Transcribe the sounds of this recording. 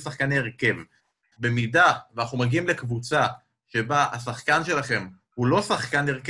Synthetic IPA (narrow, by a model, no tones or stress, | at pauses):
saχkaneeʁke̞v | be̞midaveanaχnumaɡiimlekvut͡sa | ʃe̞bahasaχkanʃe̞laχe̞m | hulo̞saχkaneʁk